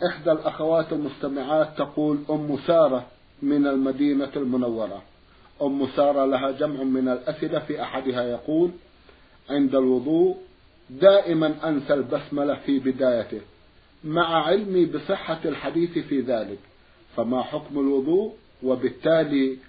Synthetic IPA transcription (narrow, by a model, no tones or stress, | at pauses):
ʔɪħd̪alʔaxawaːt̪almʊst̪amɪʕaːt̪ːɑquːlʔʊmːʊsɑːɾˤɑ | mɪnalmad̪iːnalmʊnawːɑɾˤɑ | ʔʊmːʊsɑːɾˤɑlaɦad͡ʒamʕmɪnalʔasʔɪlafiːʔaħad̪hajɑquːl | ʕɪnd̪alwʊðˤuːʔ | d̪aːʔɪmanʔansalbasmalafibɪd̪aːjat̪ɪ | maʕʕɪlmibɨsˤɨħːalħad̪iːθfiːðaːlɪk | famaħʊkmalwʊðˤuːʔ | wabɪt̪ːaːli